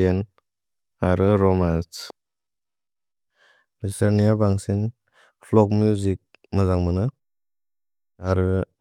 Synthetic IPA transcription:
en | aɾɯɾɔmans | biseɾnijabaŋsiŋ | pʰlɔk̚mjuzik̚ | mazaŋmanɯ | aɾɯ

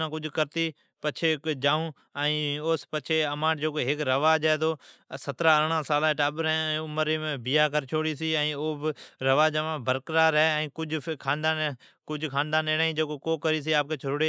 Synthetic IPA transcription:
ãːkʊd͡ʒʱkəɾt̪iː | pət͡ʃʰeːd͡ʒaːũː | əĩːoːspət͡ʃʰeːəmãːʈd͡ʒoːkoːɦɪkɾəʋaːd͡ʒɛːt̪oːsət̪ɾaːəɽ̃ãːsaːlãːʈaːɓəɾ̃ːʊməɾiːmẽːbijaːkəɾt͡ʃʰoːɽiːsiːɛ̃ːoːbɪɾəʋaːd͡ʒəʋãːbʱəɾkɾaːɾɦɛɛ̃ĩːkʊd͡ʒʱkʰaːnd̪aːn | kʊd͡ʒʱkʰaːnd̪ãːneːnaːĩːd͡ʒoːkoːkoːkəɾiːs̬iːaːp̚kʰeːt͡ʃʰʊɾɽeː

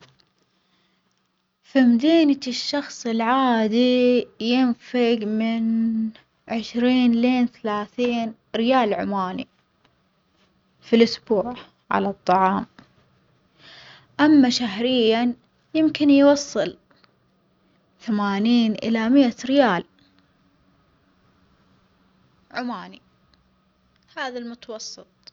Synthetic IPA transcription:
fimd̪eːnaʃːɑxsˤɪlʕaːd̪ijɪnfaɡmɪn | ʕɪʃɾiːnleːnθalaːθiːn | ɾɪjaːlʕʊ̰maːnḭ | filʔʊsbuːʕ | ʕa̰lɑt̪ˤːɑʕɑːm | ʔamːaʃaɦɾɪjːan | jɪmkɪnjwɑsˤːɨl | θamaːniːnʔɪ̰lamɪaɾɪjaːl | ʕʊmaːni | haːðalmʊt̪ɑwɑsˤːɨt̪ˤ

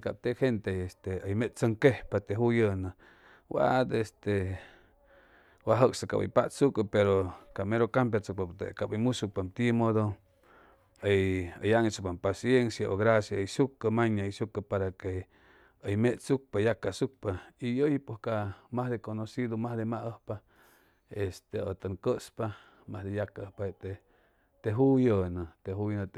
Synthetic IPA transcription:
ka̰p̚t̪eʔhent̪eest̪eəjmeʔt͡səŋkehpat̪eɦujəna | wa̰d̪est̪e | waɦəksaka̰bə̰jpaʔsukəpeɾokameɾokamp̬jat͡suk̚pat̪ḛkabimusuk̚pamt̪imod̪o | əjə̰jaŋsupampasjensjaʔoɣɾasjasukəmaɲaisukapaɾake | əjmeʔt͡suk̚pajakasuk̚paijojipwoskamahd̪ekonosid̪omahd̪emaʔəhpa | est̪eot̪əŋkəʔspa | mahd̪ejakaʔəhpat̪e | t̪eɦujənət̪eɦujnət̪

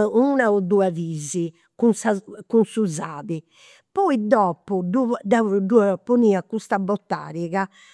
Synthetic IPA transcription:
unaud̪uːaviːzi | kunsakunsuzaːβi | pɔid̪ɔːpududaɖuapuniːakust̪abɔt̪ːa̰ːɾiɣa

